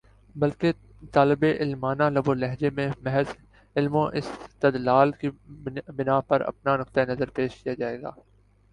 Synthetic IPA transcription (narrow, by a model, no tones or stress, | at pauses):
bɐlke | t̪aːlɪbeʔɪlmaːnalɐbolɛɦd͡ʒemẽmɛɦɛz | ɪlmõʔɪ̰st̪ɐd̪laːlkibɪnapɐɾɐ̰pnanʊq̚t̪aenɐzəɾpeːʃkijad͡ʒaːeːɡa̰ː